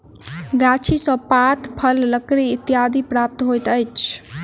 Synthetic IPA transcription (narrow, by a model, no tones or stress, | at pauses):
ɡat͡ʃʰisə̃pat̪pʰəlːəkɾiːt̪jad̪ʱipɾap̚t̪ɦojt̪əjt͡ʃʰ